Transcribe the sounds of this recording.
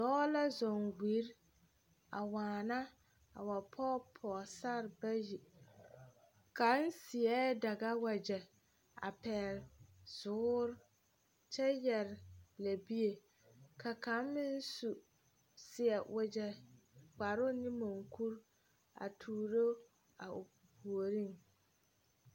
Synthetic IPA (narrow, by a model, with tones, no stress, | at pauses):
dɔː˦la˦zɔ˨ŋwi˨˦ɾ | a̰˨waː˨na˦ | a̰˨wa˨pʰɔː˦pʰɔː˨sa˦ɾba˦ji˨ | ka˨˦n˦sɪ˨ɛ˦da˨ɡa˦wa˨d͡ʒɛ˨ | a̰˨pɛː˨ɾz̥ʊː˨˦ɾ | t͡ʃɛ˦jɛ˨ɾɪ˨la˨bi˦e˨ | kʰa˨ka˨˦m˦mɪ˦n˦su˨ | sɪ˨ɛ˨wʔɛ˨d͡ʒɛ˨k͡pa˨ɾʊ˦nɪ˦mo˨ŋkʰu˦ɾ | a̰˨tʰuː˨ɾo˦ | a˨ʊ˨ | pu˨o˨ɾi˦˨ŋ